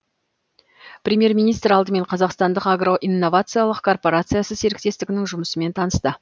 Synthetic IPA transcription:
pɾʲemʲje̞rmʲinijst̪ɾɑlˠd̪əme̞ɴqʰɑzɑqst̪ɑnd̪əqaɡro̞ʔinːo̞vat̪sɨjalˠəqkʰo̞rpo̞ɾat̪sɨjasəse̞ɾɪk̚t̪e̞st̪ɪɡʲɪnɪŋʒʊməsəme̞nt̪ʰɑnəst̪ə

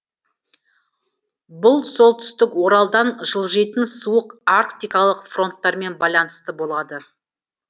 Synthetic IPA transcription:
bʊlˠso̞lˠt̪ʰʏ̥st̪ɪkwo̞ɾɑlˠd̪ɑnʒəlˠʒe̞t̪ɪnsuəqarkt̪ijkɑlˠəqfro̞nt̪ːɑɾme̞nbɑjlˠɑnəst̪əbo̞lˠɑd̪ə

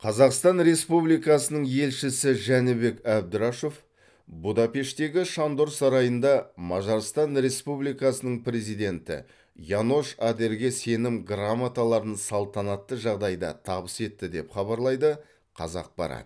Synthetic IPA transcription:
qʰɑzɑqst̪ɑnɾe̞spublijkɑsənəɴje̞lʃɪsɪʒænɪbe̞kæb̚d̪ɪɾaʃo̞f | bud̪ɑpe̞ʃt̪e̞ɡʲɪʃɑnd̪oɾsɑɾɑjənd̪ɑmɑʒɑɾst̪ɑnɾe̞spublijkɑsənəɴpɾe̞zijd̪e̞nt̪ɪ̰ | jano̞ʃad̪e̞ɾɡʲe̞se̞nɪmɡramat̪alˠɑɾənsɑlˠt̪ɑnɑt̪ːəʒɑʁd̪ɑjd̪ɑ̰t̪ʰɑbəse̞t̪ːɪd̪e̞pχɑβɑɾlˠɑjd̪ə | qʰɑ̰zɑ̰q̚bɑ̰ɾɑ̰t̪

